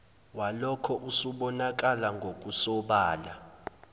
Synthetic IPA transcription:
walɔkʰɔʔusuɓɔnak̬ʼalaŋɡʱok̬ʼusɔɓaːla

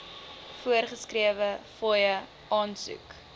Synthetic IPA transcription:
fuərχəskriəvəfɔjə | ʔɑːnsṵk

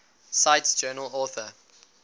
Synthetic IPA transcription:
saɪtsd͡ʒɜːnəlɔːˑθə

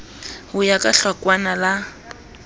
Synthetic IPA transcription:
hʊjakʼaɬwakwanala

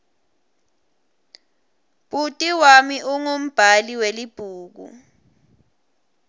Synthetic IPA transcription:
b̥ʱʼutʼiwamiʔuŋom̩b̥ʱaliwelib̥ʱuːk̬ṵ

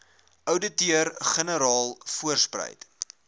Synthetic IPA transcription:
œwdətiərχənəɾɑːlˠfuərsprə̰jt

